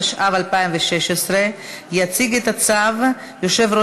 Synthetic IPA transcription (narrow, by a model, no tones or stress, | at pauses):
ʃʔavalpaimveʃeʃesɾejat͡siɡet̪at͡sav | joʃe̞vɾo